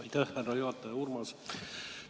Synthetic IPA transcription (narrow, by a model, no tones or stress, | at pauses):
ɑjt̪æhːærːɑjuhɑt̪ːˑɑjɑurmɑs